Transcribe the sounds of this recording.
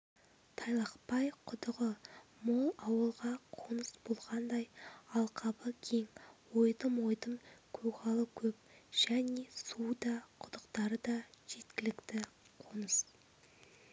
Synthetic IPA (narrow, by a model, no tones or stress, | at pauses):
t̪ʰɑjlˠɑqpɑjqʰʊd̪əʁəmo̞lˠɑwəlˠʁɑqʰonəsbo̞lˠʁɑnd̪ɑjɑlˠqʰɑbəkʲʰe̞ŋwojd̪əmwo̞jd̪əmkʲʰɵkɑlˠəkʲʰɵpʒ̥æne̞sud̪ɑqʰʊd̪əqt̪ɑɾəd̪ɑʒ̥e̞t̪kʲɪlɪkt̪ɪ | qʰonəs